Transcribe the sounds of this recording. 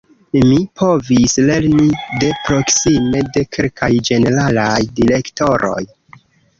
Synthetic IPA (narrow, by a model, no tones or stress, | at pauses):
mipʰo̞visle̞ɾnide̞pɾo̞ksime̞de̞kʰelkʰajd͡ʒe̞ne̞ɾalajdiɾe̞kto̞ɾʔo̞̰j